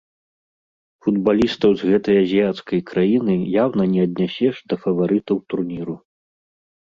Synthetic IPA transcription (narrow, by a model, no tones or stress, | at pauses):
fud̪balʲist̪ɐwzɣɛt̪ɐjɐzʲijat̪skɐjkɾajinɨjawnɐnʲɛɐd̪ʲnʲasʲɛʂd̪ɐfɐvaɾɨt̪ɐwt̪urnʲiɾu